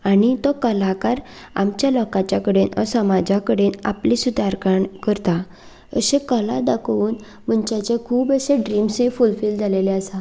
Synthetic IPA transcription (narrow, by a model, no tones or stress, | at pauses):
aɽ̃it̪ɔkəlakaɾ | a̰mt͡ɕjalɔkãt͡ɕjakəɽenə̰səmad͡ʑakəɽena̰plisud̪ʱaɾkaɳkəɾt̪a | ə̰ɕẽkəlad̪akʰʋuːn | m̤əɳt͡ɕat͡ɕekʰuːbəɕẽɖɾimsefulfiːld͡zʱaleleəsa